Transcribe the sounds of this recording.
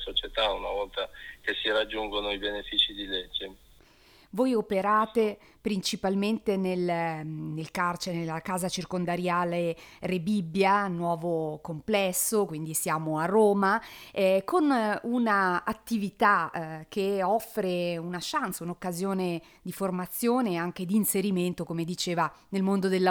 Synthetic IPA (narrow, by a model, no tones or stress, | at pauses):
sot͡ʃet̪aunavɔlt̪ak̟esiɾad͡ʒːuŋɡonoibenefiːt͡ʃid̪iled͡ʒːe | vojopeɾaːt̪e | pɾint͡ʃipalment̪enelnelkart͡ʃenelːakaːzat͡ʃirkond̪aɾjaːlerebibːjanwɔːvokomplɛsːokwind̪isjaːmoarːoːma | konunaat̪ːivit̪ak̟eɔfːɾeunaʃant̪saunokːazjoːne | d̪iformat̪sːjoːneaŋk̟ed̪iːnseɾiment̪okomed̪it͡ʃeːvanelmond̪od̪elː